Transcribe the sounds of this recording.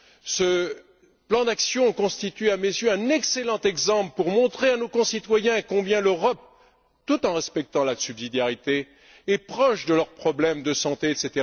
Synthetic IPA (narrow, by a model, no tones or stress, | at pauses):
sə | plɑ̃d̪aksjɔ̃kɔ̃st̪it̪ɥamezjøɛ̃nɛkselɑ̃t̪ɛɡzɑ̃pləpuʁmɔ̃t̪χeanokɔ̃sit̪wajɛ̃ekɔ̃bjɛ̃løʁɔp̚ | t̪ut̪ɑ̃ʁɛspɛk̚t̪ɑ̃lasybzid̪jaʁit̪e | ɛpχɔʃd̪əlœʁpχɔblɛmd̪əsɑ̃t̪eɛt̪set̪eʁa